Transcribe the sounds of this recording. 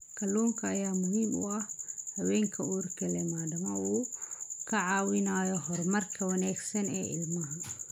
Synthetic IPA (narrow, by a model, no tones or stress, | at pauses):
kʰɐluːŋkʰɐːjaːmʊɦimṵɐhhɐwɛːŋkʰɐurkɛlɛmaːdɐmɐuːkʰɐʕaːwɪnaːjɔɦɔɾmɐrkʰɐwɐnaːɡsɐnɛ̰ːɪ̰lmɐɦɐ